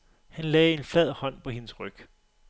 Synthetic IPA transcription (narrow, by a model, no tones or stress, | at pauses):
hænlɛːe̝nflɛð̰ˠhɒ̽n̰pʰɒ̽he̝nəsʁœɡ̥